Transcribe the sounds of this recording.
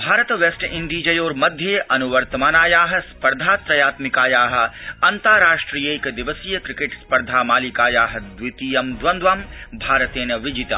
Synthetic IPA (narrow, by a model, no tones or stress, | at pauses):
bʱaːɾət̪ʋesʈɪɳɖiːd͡ʒɐjoːɾmɐd̪ʱjeʔɐnuʋɐɾt̪ɐmaːnaːjaːɦɐ̆spɐɾd̪ʱaːt̪ɾɐjaːt̪mɪkaːjaːɦɐ̆ɐnt̪aːɾaːʃʈɾijekd̪ɪʋəsijɐkɾɪkeʈspɐɾd̪ʱaːmaːlikaːjaːɦɐd̪ʋɪt̪ijɐmd̪ʋɐ̃nd̪ʋaːmbʱaːɾət̪eːnɐʋɪd͡ʒit̪ɐ̰